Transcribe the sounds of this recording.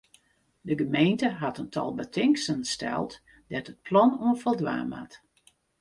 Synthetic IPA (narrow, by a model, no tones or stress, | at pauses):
dəɡəmejntəɦatəntʰɔ̰lˠbətʰɪŋksənstɛ̰lˠt | dɛtət̚pʰlɔnuənfɔlˠdʋa̰ːma̰t